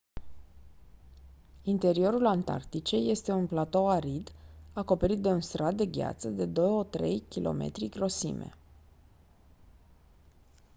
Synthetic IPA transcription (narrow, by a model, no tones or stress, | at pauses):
int̪e̞ɾio̞ɾulant̪a̰rt̪it͡ʃe̞jːe̞st̪e̞unplat̪o̞aɾid̪ako̞pe̞ɾit̪̚d̪e̞unst̪ɾat̪̚d̪e̞ɡʲa̰t̪səd̪e̞d̪o̞jot̪ɾe̞̰jkʲilʔo̞̰me̞̰t̪ɾiɡɾo̞sḭme̞̰